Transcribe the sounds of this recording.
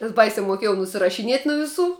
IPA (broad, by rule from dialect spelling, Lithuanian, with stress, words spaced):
nʲɛs ˈbɐɪsʲɛ muɔˈkʲiɛjɛʊ nʊsʲɪrɐʃʲɪˈnʲiɛt nʊ ʋʲɪˈsuː